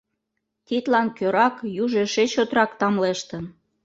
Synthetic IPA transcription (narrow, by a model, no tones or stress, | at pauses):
t̪it̪lɑnkøɾɑkjuʒeʃet͡ɕot̪ɾɑkt̪ɑmleʃt̪ən